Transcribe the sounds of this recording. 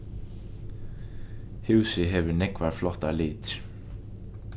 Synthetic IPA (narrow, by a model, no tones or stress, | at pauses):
hʉwsɪɦɛvʏɾnɛkvaɾ̥flɔht̪alɪːt̪ɾ̥